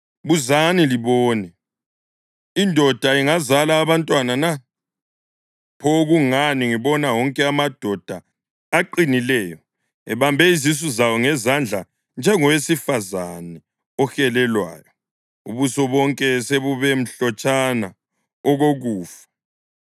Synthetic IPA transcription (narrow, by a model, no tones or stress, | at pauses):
βuzaniliβɔːnɛ | indʱɔd̥ʱaiŋazalaːβantʼwanana | pʰɔɣuŋaniŋiβɔnawɔŋkʼɛamad̥ʱɔd̥ʱaː | ǃinilɛːjɔ | ɛβambʱɛizis̬uzawɔŋɛzand͡ɮʱa | nd͡ʒʱɛŋɔwesifazanɛ | ɔxɛlɛlwa̰ːjɔ | ṵβusɔβɔŋkʼɛseβuβem̩ɬɔt͡ʃʼana | ɔɣoɣuːfḁ